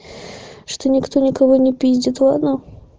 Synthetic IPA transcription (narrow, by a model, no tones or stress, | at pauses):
ʂt̪onʲɪkt̪onʲɪkɐvonʲɪpʲizʲdʲɪt̪vɐno